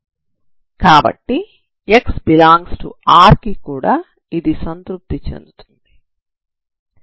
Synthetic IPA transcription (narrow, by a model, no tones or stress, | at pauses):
kaːbɐ̰ʈːi | eksbilaːŋɡsʈṵaːɾkikuːɽaː | id̪isɐnt̪ɾup̚t̪it͡ʃḛnd̪ut̪u̥nd̪i̥